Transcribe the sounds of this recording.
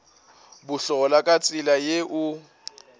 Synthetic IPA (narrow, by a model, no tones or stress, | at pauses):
bʊɬɔɔlakʼat͡sʼɪlajeʔʊ